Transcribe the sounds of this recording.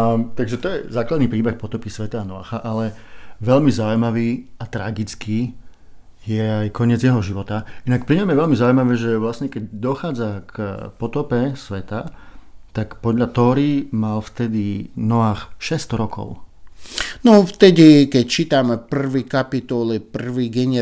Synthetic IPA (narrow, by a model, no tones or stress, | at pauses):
t̪aɡʒɛt̪ɔjɛ̰zaːklad̪nipɾiːbɛxpɔt̪ɔpisʋɛt̪aːnɔa̰ːxaʔalɛ | ʋɛʎmizaujmaʋiːat̪ɾaɡit͡skiː | jɛajkʰɔɲɪɛd͡zjɛɦɔʒiʋɔt̪ainak̚pɾiɲɔmjɛʋɛʎmizaujmaʋɛːʒɛʋlasɲɛkɛɟd̪ɔxaːd͡zakpɔt̪ɔpɛsʋɛt̪at̪akpɔd̪ʎat̪ɔːɾimalft̪ɛd̪inɔʋaːxʃɛst̪ɾɔkʰɔ̰ʊ | nɔft̪ɛd̪ikɛct͡ʃiːt̪amɛpr̩ʋikapit̪ɔlipr̩ʋiɡɛɲɛ